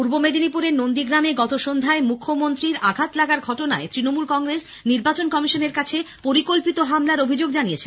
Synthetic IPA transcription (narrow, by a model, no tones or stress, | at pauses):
puɾbomed̪inipuɾeɾnond̪iɡɾameɡɔt̪oʃond̪ʱaemukʰːomont̪ɾiɾaɡʱat̪laɡaɾɡʱɔʈona̰et̪ɾinomulkɔŋɡɾes | niɾbat͡ɕonkɔmiʃoneɾkat͡ɕʰepoɾikolpit̪oɦamlaɾobʱid͡ʑoɡ̚d͡ʑanijet͡ɕʰen